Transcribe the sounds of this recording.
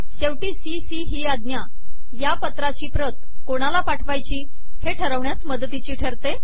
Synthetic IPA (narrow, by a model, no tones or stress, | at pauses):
ɕewʈiːsisiɦiːad̪nja | japət̪ɾat͡ɕiːpɾət̪ | koɽ̃alapaʈʰʋajt͡ɕiː | heʈʰəɾəʋɳjat͡sməd̪t̪it͡ɕiːʈʰəɾt̪e